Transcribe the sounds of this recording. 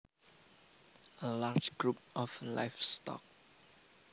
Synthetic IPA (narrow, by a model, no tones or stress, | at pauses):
ʔəlad͡ʒɡ̥ɹup̚ʔɔfla̰ɪfstɔ̰k̚